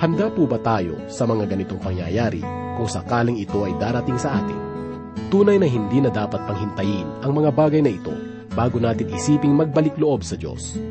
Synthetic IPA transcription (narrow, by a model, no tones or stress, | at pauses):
hɐnd̪apuːbɐt̪aːjo̞̰sɐmɐŋaɡɐnɪt̪o̞ŋpɐŋja̰jaːɾḭ | kʊŋsɐkaːlɪŋɪt̪o̞ʔɐjd̪aːɾɐt̪ɪŋsɐʔa̰ːt̪ɪ̰n | t̪uːnɐjnɐɦɪnd̪iːnɐd̪aːpɐt̪̚pɐŋhɪnt̪ɐjɪnɐŋmɐŋabaːɡɐjnɐɪt̪o̞̰ | baːɡonaːt̪ɪŋɪsiːpɪŋmɐɡ̚bɐlɪkloʔo̞bsɐd̪o̞̰s